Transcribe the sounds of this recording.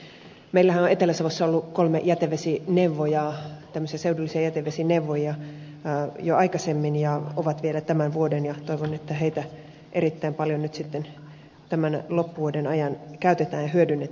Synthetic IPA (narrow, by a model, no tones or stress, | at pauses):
meilːæhænoet̪elːæsɑʋosːɑolːukolmejæt̪eʋesinewʋːojɑt̪æmːøsiɑseudulːisiɑjæt̪eʋesinewʋːojɑ | joʔɑikɑsemːinjɑoʋɑt̪ʋielæt̪æmænʋuodenjɑt̪oiʋonet̪ːæɦejt̪æ | ʔe̞ɾit̪ːæimpɑljonyt̪sit̪ːen | t̪æmænlopːuʋuodenɑjɑnkæyt̪et̪æːnjɑɦyødynːet̪